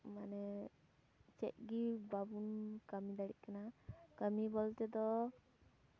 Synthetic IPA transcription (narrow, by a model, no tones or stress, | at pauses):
manɛ | t͡ʃɛ̰ʔ̚ɡibabunkəmid̪aɽḭʔ̚kanakəmibɔlt̪ɛd̪ɔ